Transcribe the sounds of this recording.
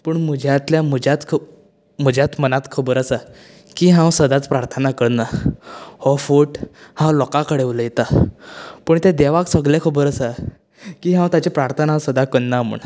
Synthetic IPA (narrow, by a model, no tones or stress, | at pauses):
pəɳm̤əd͡ʑʱjat̪ljamud͡ʑat̪kʰ | m̤ud͡ʑʱjat̪mənat̪kʰubəɾəsa | kiːɦãwsəd̪at͡spɾaɾt̪ʰənakəɽna | hɔfuʈhãwlɔkakəɽeʋləjet̪a | pəɳt̪ãd̪eʋaksəɡlakʰubəɾəsa | kiːɦãwt̪at͡ɕapɾaɾt̪ʰənasəd̪akəɽnːamə̰ɳ